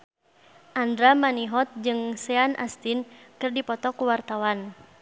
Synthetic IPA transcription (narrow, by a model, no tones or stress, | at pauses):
ʔandɾamaniɦɔt̪̚d͡ʒɨŋsɛanʔa̰st̪inkɨrdipɔt̪ɔkuwart̪awan